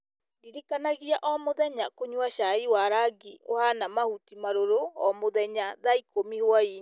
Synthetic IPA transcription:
diɾikanaɣiaʔɔmoðɛɲakoɲwaʃaiwaɾaɡio̰hanamahutimaɾoɾoɔmoðɛɲaðaikomihwaiɲ

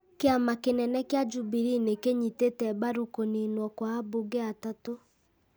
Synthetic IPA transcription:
keamakenɛnɛkjad͡ʒubiɾinekeɲitetɛbaɾukoninwɔkwaːboɡɛatato

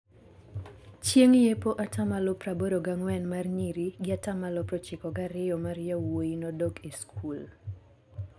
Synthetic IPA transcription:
t͡ʃjeŋjepoʔatʰamalʊpraboɾoɡaŋwɛnmarɲiɾiɡɪatamalɔpɾɔt͡ʃɪkɔɡaɾɪɔmaɾjawoinɔdokiskul

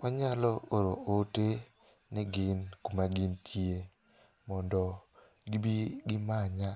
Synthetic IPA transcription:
aɲalɔoɾoote | nɛɡɪnkumaɡɪntʰje | mɔndɔ | ɡibiɡɪmaɲa

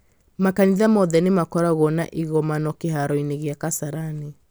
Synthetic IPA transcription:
makaniðamɔðɛnemakɔɾaɣɔna̰ʔiɣɔmanɔkeɦaɾɔineɣeakasaɾane

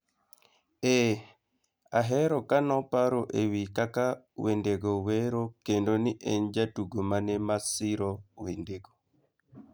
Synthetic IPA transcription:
e | aɦɛɾɔkanɔpaɾoʔewikaka | wendeɡoweɾokendoniʔeɲd͡ʒatuɡomanemasiɾɔwendeɡo

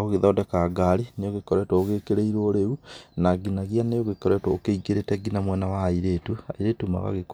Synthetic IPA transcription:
ɣoɣeðɔdɛkaɡaɾinejoɣekɔɾɛtwɔoɣeːkeɾeiɾoːɾeunaɡinaɣijanejoɣekɔɾɛtwɔokeiɡeɾetɛɡinamwɛnawaːiɾetua̰iɾeːtuma̰ɣa̰ɣek

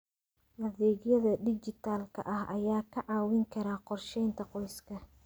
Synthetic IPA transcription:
wɐðɛːɣjɐðɐɖɪt͡ʃɪt̪ʰaːlkʰɐ̰ʔɐhʔɐjaːkʰɐʕɑːwɪŋkʰɐɾaːqɔrʃɛjnt̪ʰɐqɔjskʰɐ

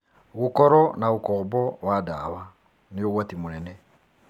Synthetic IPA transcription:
ɣukɔɾɔnaɣukɔbɔwadaːβa | nioɣwatimunɛnɛ

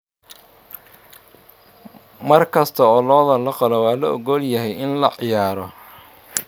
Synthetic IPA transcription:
mɐrkʰɐst̪ʰɐɔːlɔːðɐlɐqɑlɔwɑːlɐʔɔ̰ɣɔljɐɦɛjɪnlɐʕɪjaːɾɔ

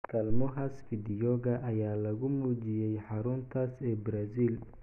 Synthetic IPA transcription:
kʰɐlmɔɦɐsfɪd̪ɪjɔɣɐʔɐjaːlɐɣʊmuːt͡ʃɪjɛjħɑɾʊnt̪ʰasɛːbɾaːsiːl

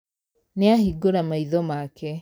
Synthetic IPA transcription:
neahiɡoɾamaiðɔmakʰɛ

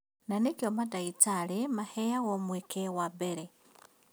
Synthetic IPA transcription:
nanekjomadait͡salemahejaɣomwekʰewabeɾe

